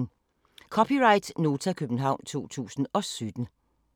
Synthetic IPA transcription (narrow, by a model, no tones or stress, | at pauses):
kʰɒpʰiʁɑ̈ɪd̥no̝ːt͡sʰækʰøb̥n̩ɦɑ̈ʊ̰nt͡sʰo̝̰ːt͡sʰṵːsn̩ɒ̽sød̥n̩